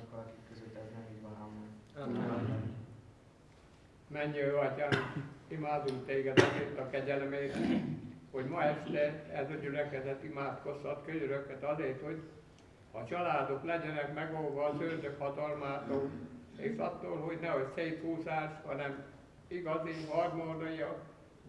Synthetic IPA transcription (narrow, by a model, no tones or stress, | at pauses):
kːɒlɒkikːøzøt̪ːɛznɛiʋaamo | mɛɲːøɒcaːnimaːd̪uŋkt̪eːɡɛd̪ɒzeːrt̪ɒkɛɟɛlmeːɾɛho̞ɟmɒɛʃt̪ɛɛzɒɟylɛkɛzɛt̪imaːt̪ko̞shɒt̪køɲøɾøkːɛt̪ɒzeːrt̪ho̞ɟ | hɒ̰t͡ʃɒlaːd̪o̞klɛɟɛnɛkmɛɡolvɒːzøːrd̪økhɒt̪ɒlmaːt̪oːleːʃɒ̰t̪ːoːlɦo̞ɟnɛo̞cseːjphuːzaːʃhɒnɛm | iɡɒziɦɒrmod̪ojɒ